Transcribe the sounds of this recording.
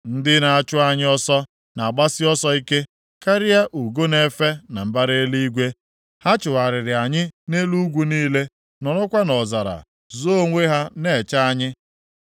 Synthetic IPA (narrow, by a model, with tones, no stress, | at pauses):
n̩˦dɪ˦na˨a˦t͡ʃʊ˦a˦ɲɪ˦ɔ˦sɔ˦ | na˨a˨ɡ͡ba˦sɪ˦ɔ˦sɔ˦i˦ke˦ | ka˦ɾɪ˦a˦ʔu˨ɡo˦ne˦fe˦na˨m̩˨ba˦ɾe˦li˦i˦ɡʷe˦ | ha˦t͡ʃʊ˨wa˨ɾɪ˨ɾɪ˨a˨ɲɪ˦ne˦lu˦ɡʷu˦niː˦le˦ | nɔ˨nʊ˦kʷa˦nɔ˨za˨ɾa̰˨ | zo˦ŋʷe˦ɦa˦ne˨t͡ʃa˦a˦ɲɪ˦